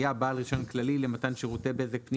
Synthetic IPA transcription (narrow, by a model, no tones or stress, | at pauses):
jabaːlʁiʃo̞nklalilemat̪anʃeʁot̪ebeezepni